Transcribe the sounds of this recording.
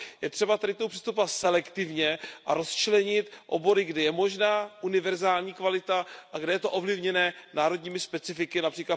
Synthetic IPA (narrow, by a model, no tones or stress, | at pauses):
jɛt̪r̥ɛbat̪adɪkt̪omupr̥ist̪upovat̪sɛlɛkt̪ɪvɲɛʔaɾo̞st͡ʃlɛɲɪt̪ʔo̰bo̞ɾɪɡdɛjɛmo̞ʒnaːʔunɪvɛɾzaːlɲiːkvalɪt̪aʔaɡdɛjɛt̪o̞ʔo̞vlɪvɲɛnɛːnaːɾodɲiːmɪspɛt͡sɪfɪkɪnapr̥iːkla